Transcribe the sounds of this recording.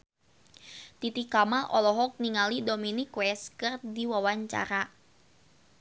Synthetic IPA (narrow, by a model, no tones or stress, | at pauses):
t̪it̪ikamalʔɔ̰lɔɦɔk̚niŋalidominikwɛskɨrdiwawaɲt͡ʃa̰ɾa